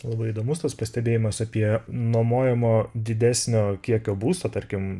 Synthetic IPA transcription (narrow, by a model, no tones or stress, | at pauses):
lˠɐbɐɪid̪oːmʊst̪ɐspɐsʲt̪ʲɛbʲeːjɪmɐsɐpʲiɛnoɔmoːjɛmoːd̪ʲɪd̪ʲæsʲnʲoːkʲiɛkʲoːbuːst̪oːt̪ɐɾʲkʲɪm